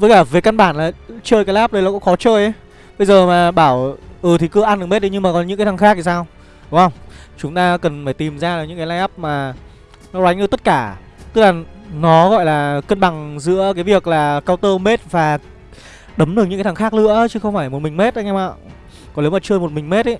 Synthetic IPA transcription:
və˨˦jklaː˧˩veː˨˦jka˧nɓaː˧˩nlaː˨˩t͡ɕəː˧jka˨˦la˦˥p̚ɗə˧jlaː˨˩kʊ̰˧˥ŋ͡mxɔ˨˦t͡ɕəː˧jʔə˨˦ | ɓə˧jzəː˨˩maː˨˩ɓaː˧˩wʔɨː˨˩t̪ʰi˨˩kɨ̰˧˥ʔa˧nɗɨ˨˩me˦˥t̚ɗi˧ɲɨ˧ŋmaː˨˩kɔ˨˦nɨ̰˧˥kaː˨˦t̪ʰa˨˩ŋxaː˦˥k̚t̪ʰi˨˩saː˧w | ɗʊ˨˦ŋ͡mhə˧wŋ͡mt͡ɕʊ˨˦ŋ͡mt̪aː˧kə˨˩nfaː˧˩jt̪i˨˩mzaː˧ɗɨ˨˩k̚ɨ̰˧˥kaː˨˦laː˧jʔa˦˥p̚maː˨˩ | nɔ˨˦lwa˨˦jŋ̟ʔɨ˧˩t̪ə˦˥t̚kaː˧˩ | t̪ɨ˦˥k̚laː˨˩nɔ˨˦ɣɔ̰˧˨jlaː˨˩kə˧nɓa˨˩ŋzɨ̰˧˥əkaː˨˦jvi˨˩ək̚laː˨˩kaː˧wt̪əː˧me˦˥t̚vaː˨˩ | ɗə˨˦mɗɨ˨˩k̚ɲɨ̰˧˥aː˨˦t̪ʰxaː˦˥k̚lɨ̰˧˥ə˧t͡ɕɨ˨˦xə˧wŋ͡mfaː˧˩jmo˨˩t̚mï˨˩ŋ̟me˦˥t̚ʔə˨˦ŋɛ˧ma̰˧˨ | kɔ˨˦le˨˦wmaː˨˩t͡ɕəː˧jmo˨˩t̚mï˨˩ŋ̟me˦˥t̚ə˨˦j

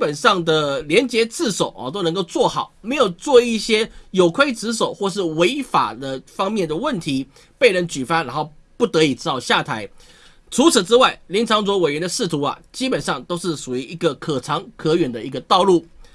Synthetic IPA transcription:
pə˨˩nʂɑ˥˩ŋd̪ə˨˩ljɛ˧˥nt͡ɕjɛ˧˥t͡sɹ̩˥˩ʂo˨˩ʊʔt̪o˥ʊn˧˥ŋko˥˧ʊt͡swɔ˥˩xɑ˨˩ʊme˧˥ɪjo˨˩ʊt͡swɔ˥˧i˥˩ɕjɛ˥jo˨˩ʊkʰwe˥ɪt͡sɻ̩˧˥ʂ̬o˨˩ʊxwɔ˥˧ʂ̬ɻ̩˥˩we˧˥ɪfa̰˨˩d̪ə˦fɑ˥ŋmjɛ˥˩nd̪ə˩wə˥˨nt̪ʰi˧˥ | pe˥˩ɪɻə˧˥nt͡ɕy˨˩fa˥nɻa˧˥nxo˥˧ʊpu˥˩t̪ɤ˧˥i˨˩ʈ͡ʂɻ̩˥t̪ɑ˥˧ʊɕja˥˩t̪ʰa˧˥ɪ | ʈ͡ʂʰu˧˥t͡s̩ʰ˨˩ʈ͡ʂɻ̩˥wa˥˩ɪli˧˥nt͡sʰɑ˧˥ŋt͡swɔ˧˥we˨˩ɪɥɛ˧˥nd̪ə˧ʂɻ̩˥˩t̪ʰu˧˥ɐ̰˨t͡ɕi˥pə˨˩nʂɑ˥˩ŋt̪o˥ʊʂɻ̩˥˩ʂu˨˩i˧˥ʔi˧˥ɡə˧˨kʰɤ˨˩ʈ͡ʂʰɑ˧˥ŋkʰɤ˧˥ɥɛ˨˩nd̪ə˨i˧˥ɡə˧t̪ɑ˥˧ʊlu˥˩

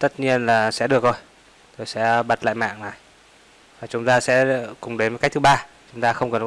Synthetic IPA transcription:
t̪ə˦˥t̚ɲi˧ənlaː˨˩sɛ̰˧˥ɗɨ˨˩ək̚zo˧˩j | t̪ʰo˨˩jsɛ̰˧˥ɓa˨˩t̚la̰ː˧˨jma̰ː˧˨ŋnaː˨˩j | vaː˨˩t͡ɕʊ˨˦ŋ͡mt̪aː˧sɛ̰˧˥kʊ˨˩ŋ͡mɗe˨˦nmo˨˦kk̚t̪ʰɨ˧˩ɓaː˧ | t͡ɕʊ˨˦ŋ͡mt̪aː˧xə˧wŋ͡mkə˨˩n˨

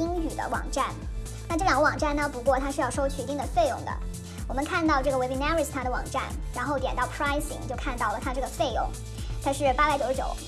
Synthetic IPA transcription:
i˥ŋy˨˩d̪ə̰˦wɑ̰˨˩ŋʈ͡ʂa˥˩n | na˥˧ʈ͡ʂɤ˥˩ljɑ˨˩ŋɡə˧wɑ˨˩ŋʈ͡ʂa˥˩nnə˩pu˧˥kwɔ˥˧t̪ʰa˥ʂɻ̩˧jɑ˥˧ʊʂo˥ʊt͡ɕʰy˨˧˥t̪i˥˩d̪ə˩fe˥˧ɪjʊ̰˥˩ŋd̪ə̰˩ | wɔ˨˩mə˦nkʰa˥˧nt̪ɑ˥˧ʊʈ͡ʂɤ˥˩ɡə˩we˧˥i˥na˥ɹst̪ʰa˥d̪ə˨wɑ̰˨˩ŋʈ͡ʂa̰˥˩nɻa˧˥nxo˥˧ʊjɛ˨˩nt̪ɑ˥˩ʊpʰɹa˥ɪsḭ˧˥ŋt͡ɕjo˥˧ʊkʰa˥˧nt̪ɑ˥˩ʊlə˩t̪ʰa˥ʈ͡ʂɤ˥˩ɡə˩fe˥˧ɪjʊ̰˥˩˦ŋ | t̪ʰa˥ʂɻ̩˥˩pa˥pa˧˥ɪt͡ɕjo˧˩ʊ˥jʊ̰˨˩˦ʊ

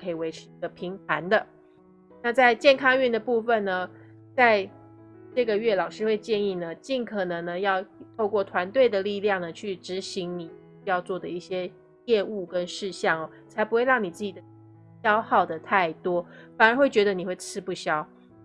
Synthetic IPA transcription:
kʰɤ˧˥i˨˩we˧˥ɪʈ͡ʂ̩ʰ˧ə˨pʰi˧˥ŋp̪ʰa˧˥nd̪ə˨ | na˥˧t͡sa˥˧ɪt͡ɕjɛ˥˩nkʰɑ˥ŋy˥˩nd̪ə˩pu˥˧˩fə˨˩nnə˩ | t͡sa˥˧ɪ | ʈ͡ʂɤ˥˩ɡə˨ɥɛ˥˩lɑ˨˩ʊʂɻ̩˥xwe˥˧ɪt͡ɕjɛ˥˧ni˥˩nə˩t͡ɕi˥˩nkʰɤ˨˩nɤ˧˥ŋnə˧jɑ˥˧ʊt̪ʰo˥˧ʊkwɔ˥˩t̪ʰwa˧˥nt̪we˥˩ɪd̪ə˩li˥˧ljɑ˥˩ŋnə˩t͡ɕʰy˥˩ʈ͡ʂɻ̩˧˥ɕi˧˥ŋni˨˩˥ | jɑ˥˧ʊt͡swɔ˥˩d̪ə˩i˥˩ɕjɛ˥ | jɛ˥˧u˥˩kə˦˥nʂɻ̩˥˧ɕjɑ˥˩ŋɐ˩ | t͡sʰa˧˥ɪpu˥xwe˥˧ɪɻɑ˥˩ŋni˨˩t͡sɹ̩˥˩t͡ɕi˨˩d̪ə˩˥ | ɕjɑ˥ʊxɑ˥˩ʊd̪ə˩t̪ʰa˥˩ɪt̪wɔ˥fa˨˩nə˧˥xwe˥˩ɪt͡ɕɥɛ˧˥d̪ə˧ni˨˩xwe˥˧˩ɪt͡sʰɹ̩˥pu˥˩ɕjɑ˥ʊ

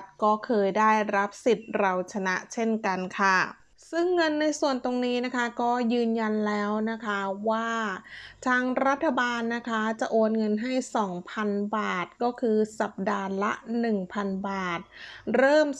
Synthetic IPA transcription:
t̪̚kɔː˥˩kʰɤː˧jdaː˥˩jɾa˦˥p̚si˨˩t̪̚ɾa˧wt͡ɕʰa˧na˦˥ʔt͡ɕʰe˥˩nka˧nkʰa˥˩ | sɯ˥˩ŋːɤ˧nːa˧jsu˨˩ənt̪o˧ŋniː˦˥na˦˥kʰa˦˥kɔː˥˩jɯː˧nja˧nlɛː˦˥wna˦˥kʰa˦˥waː˥˩t̪ʰaː˧ŋɾa˦˥t̪ʰːa˧baː˧nːa˦˥kʰa˦˥t͡ɕa˨˩ʔoː˧nŋɤ˧nɦa˥˩jsɔː˩˦ŋpʰa˧nbaː˨˩t̪̚kɔː˥˩kʰɯː˧sa˨˩p̚daː˧la̰˦˥ʔnɯ˨˩ŋpʰa˧nbaː˨˩t̪̚ɾɤː˥˩m

